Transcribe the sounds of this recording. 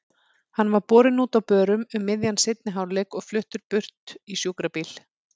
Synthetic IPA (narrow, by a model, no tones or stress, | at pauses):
hanːvaɾpɔːɾɪnuːt̪awpœːɾʏmʏmːɪðjansɪt̪̚nɪɦawlɛkɔɣflʏht̪ʏɾ̥pʏr̥t̪isjuːkɾapiːl